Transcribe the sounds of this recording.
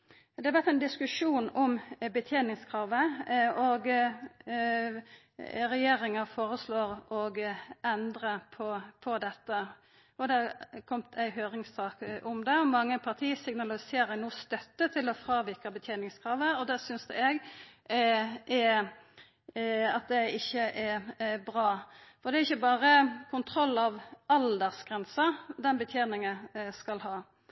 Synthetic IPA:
d̪ɛɑɾʋæt̪æɪnd̪ɪskʉʂuːnɔmbət̪ʰjeːnɪŋskʰɾɑːʋəɔɡ | ɾɛjeːɾɪŋəfoːɾəsloːɾɔɡɛnd̪ɾəpʰɔpʰɔd̪ɛt̪ːə | ɔd̪ɛkʰɔmt̪ʰæɪɦøːɾɪŋsɑːkʔʊmd̪ɛɔmɑŋːəpʰɑʁt̪ʰiːsɪŋnɑlɪseːɾəɾnuːst̪œt̪ːət̪ʰɪlɔfɾɑːʋɪkəbət̪ʰjeːnɪŋskʰɾɑːʋəɔd̪ɛsʏnsd̪ʉ̰ɛɡ | ʔɛ | ɑt̪̚d̪ɛɪçːəʔɛɾbɾɑːfɔɾd̪ɛɛɾɪçːəbɑːɾəkʰʊnt̪ʰɾɔlːɑʋɑld̪əʁsɡ̥ʁɛnsəd̪ɛnbət̪ʰjeːnɪŋəskɑlɦɑː

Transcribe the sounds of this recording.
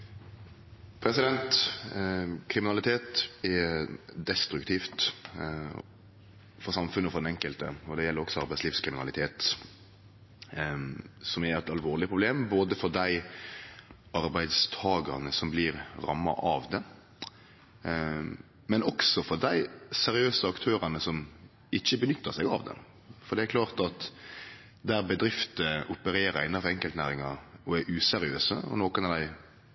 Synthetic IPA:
pʰɾɛsɪd̪ɛnt̪ | kʰɾɪmɪnɑlɪt̪ʰeːt̪ɛd̪ɛst̪ɾʉkt̪ʰiːft̪ | fɔɾsɑmfʉnːəɔfɔd̪ɛnɛŋkəlt̪ə̰ɔd̪ɛjɛlːəɾɔksɔɑɾbæɪsliːʋskʰɾɪmɪnɑ̰lɪt̪ʰeːt̪ | sɔmɛɾɛt̪ɑlʋoːɾlɪpʰɾʊbleːmboːd̪əfɔɾd̪æɪ | ɑɾbæɪd̪st̪ʰɑːɡɑ̰ɾnəsɔmbliːɾɾɑ̰mːɑ̰ʔɑʋd̪ɛ | mɛnɔksɔfɔɾd̪æɪsɛɾɪøːsəɑkt̪ʰøːɾɑnəsɔm | ɪçːəbənʏt̪ːəʁsɛɡɑ̰ʋd̪ɛ̰ | fɔd̪ɛækʰlɑːʁt̪ɑt̪ | d̪æːɾbəd̪ɾɪft̪əʔʊpəɾeːɾɑɾɪnːɑfɔɛŋkəlt̪næːɾɪŋɑɔɛɾʔʉːsɛɾɪøːsəɔ̰noːkənɑd̪æɪ

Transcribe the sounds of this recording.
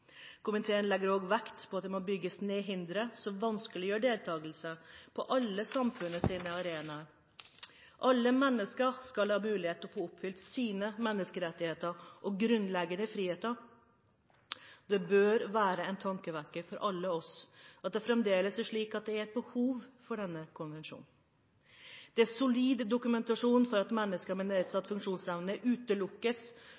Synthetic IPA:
kʰʊmənt̪ʰeːənlɛɡəɾoːɡʋækt̪pʰɔɑt̪̚d̪ɛmobʏɡːəsneːɦɪnd̪ɾəsɔmʋɑnskəlɪjøːɖeːlt̪ʰɑːɡəl̩səpʰɔʔɑlːəsɑmfʉnəsiːnəɑɾeːnɑə | ʔɑlːəmɛnːəskəskɑlhɑːmʉːlɪheːt̪ɔfoːʊpːfʏlt̪siːnəmɛnːəskəɾɛt̪ːɪheːt̪əɾʔɔɡɾʉnlɛɡənəfɾiːheːt̪əɾ | d̪̥ɛbøːɾʋæːɾəɛnt̪ʰɑŋkəʋækːəfɔɾʔɑlːəɔsɑt̪̚d̪ɛfɾɛmd̪eːləsæʂɭiːkɑt̪̚d̪ɛæɾɛt̪̚bəhuːʋfɔɖɛnːəkʰʊnʋɛnʂṵːn̩ | d̪̥ɛæsʊliːd̪ːʊkʉmɛnt̪ɑʂuːnfɔɾɑt̪mɛnːəskəɾmɛneːt̪sɑt̪ːfʉŋkʂuːnsɛʋnəʔʉːt̪əlʊkːəs

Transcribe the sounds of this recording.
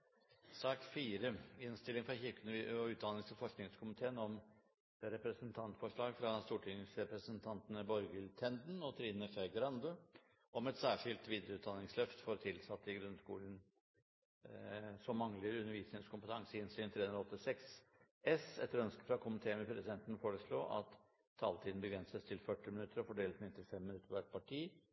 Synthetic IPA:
sɑːkfiːɾəɪnst̪ɪlɪŋfɾɑçɪɾkʉnʉːt̪̚d̪ɑnɪŋsɔfɔʂknɪŋskʰʊmɪt̪ʰeːənɔm | ɾɛpɾəsənt̪ʰɑnt̪fɔʂɭɑːɡfɾɑst̪uːʈʰɪŋsɾɛpɾəsənt̪ʰɑnt̪ənəbɔɾɡəlt̪ʰɛnd̪nɔt̪ʰɾiːnəfeːɡɾɑnd̪ə | ʔɔmɛt̪sæːʂɪlt̪ʋiːd̪ɾəʉːt̪d̪ɑnɪŋslœft̪fɔɾt̪ʰɪlsɑt̪ːɪɡɾʉnskuːlən̩ | sɔmːɑŋləɾʉnːəɾʋiːsnɪŋskʰʊmpət̪ʰɑŋsəɪnsyːnt̪ʰɾeːɵnɾɑɔt̪ːɪsɛks | ɛsɛt̪ːəɾœnskəfɾɑkʰʊmɪt̪ʰeːəmɛpʰɾɛsɪd̪ɛnt̪n̩foːɾəslo̰ːʔɑ̰t̪ʰː | ɑːlt̪ʰiːd̪n̩bəɡɾɛnsəst̪ʰɪlfœʈːɪmɪnʉt̪ːəɾɔfɔɖeːlt̪mɪnt̪ɪlfɛmːɪnʉt̪ːəɾʋæʈ̪̚pʰɑʈʰiː

